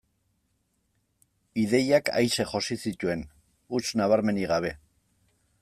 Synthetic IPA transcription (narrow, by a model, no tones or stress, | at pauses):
iðe̞jaka̰jʃe̞ʝo̞sisit̪ue̞n | ut͡snaβ̞aɾme̞niɣaβ̞e̞